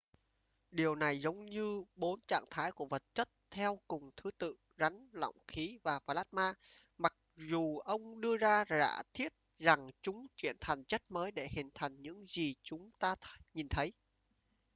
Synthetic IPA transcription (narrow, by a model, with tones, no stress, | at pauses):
ɗi˨˩əwna˨˩jzə˨˦wŋ͡mɲɨ˧ɓo˨˦nt͡ɕa̰ː˧˨ŋt̪ʰaː˨˦jku˧˩əvə˨˩t̚t͡ɕə˦˥t̚t̪ʰɛ˧wkʊ˨˩ŋ͡mt̪ʰɨ˨˦t̪ɨ̰˧˨ | za˨˦ŋ̟lɔ̰˧˨wŋ͡mxi˨˦vaː˨˩faː˧˩laː˦˥t̚maː˧ | ma˨˩k̚zu˨˩ʔə˧wŋ͡mɗɨ˧əzaː˧za̰ː˧˥t̪ʰi˦˥ət̚za˨˩ŋt͡ɕʊ˨˦ŋ͡mt͡ɕwḭ˧˩ənt̪ʰa˨˩jŋ̟t͡ɕə˦˥t̚məː˨˦jɗe˧˩hï˨˩ŋ̟t̪ʰa˨˩jŋ̟ɲɨ̰˧˥ŋzi˨˩t͡ɕʊ˨˦ŋ͡mt̪aː˧ɲi˨˩nt̪ʰə˨˦j